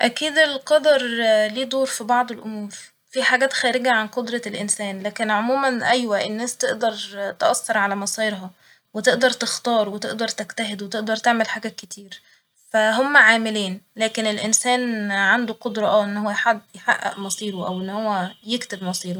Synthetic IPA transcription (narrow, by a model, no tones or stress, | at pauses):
ʔækiːd̪elqɑd̪ɑɾˤliːd̪oːɾfibɑʕd̪ˤelʔomuːɾ | fiħaːɡæːt̪xæːɾeɡæʕanqod̪ɾˤɑlʔensæːnlæːkenʕomuːmænʔæjwæʔenːæːst̪eʔd̪ɑɾˤt̪ʔɑsːɑɾˤʕalæmɑsˤiːeɾɦɑ | wet̪eʔd̪ɑɾˤt̪ext̪ɑːɾwet̪eʔd̪ɑɾˤt̪ækt̪æɦed̪wet̪eʔd̪ɑɾˤt̪eʕmelħaːɡæket̪ʰiːɾ | fæɦomːæʕaːmeliːnlæːkenelʔensæːnʕand̪uqod̪ɾˤɑʔæːʔenːhowːæħad̪ːjħa̰ʔːæ̰ʔmɑsˤiːɾoʔæwʔenːhowːæjekt̪ebmɑsˤiːɾo